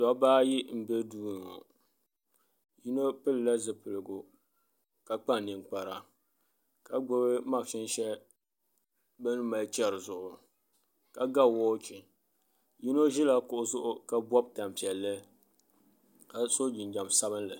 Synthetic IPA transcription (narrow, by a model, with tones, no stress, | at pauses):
dɔ˨˦baː˦ji˦m̩˦bɛ˦duː˦n˨ŋo̰˨ | ji˦no˦pɨ˦lla˦zɨ˨pɨ˨lɨ˨ɡʊ˨ | ka˨k͡pa˦n˨nɨ˨ŋk͡pa˨ɾa˨ | ka˨ɡ͡bʊ˦bɨ˦ma˦˨ʃɪ˦n˦ʃɛ˦ | bɛ˦nɨ˦ma˨˦t͡ʃɛ˦ɾɨ˨zʊ˨ʔʊ˨ | ka˨ɡa˦˨wɔː˦t͡ʃi˨ | ji˦no˦ʒi˦la˨kʊ˨ʔʊ˦zʊ˦ʔʊ˦ka˨bɔ˦b̚ta˨m˨pi˨ɛ˨lːɨ˦ | ka˨so˦d͡ʒi˨nd͡ʒa˨msa˦bɨ˦nlɨ˨